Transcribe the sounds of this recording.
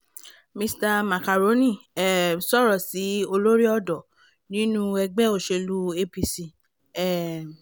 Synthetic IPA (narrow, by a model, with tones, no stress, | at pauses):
mĩ˧sta˧ma˨ka˨ɾo˨˦nĩ˦˨ɛ˨sɔ˦ɾɔ˨si˨˦o˧lo˦ɾi˦ɔ˦˨dɔ˨ | nĩ˨˦nũ˦ɛ˧ɡ͡bɛ˦o˦˨ʃe˧lu˦e˦pi˧si˧ | ɛ˦˨